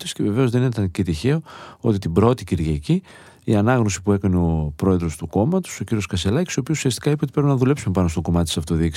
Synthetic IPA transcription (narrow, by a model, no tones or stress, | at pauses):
t̪isceve̞ve̞ozðeninet̪ɐncet̪içe̞o̞o̞t̪it̪ibɾo̞t̪iciɾʝɐci | iɐnɐɣno̞si̥pue̞kɐneo̞pɾo̞e̞ðɾo̞st̪uko̞mɐt̪u̥so̞ciɾio̞skɐse̞lɐcisio̞pisu̥siɐst̪ikɐipeoipɾemenɐðule̞psumepɐnost̪o̞ko̞mɐt̪t̪sɐft̪o̞ðik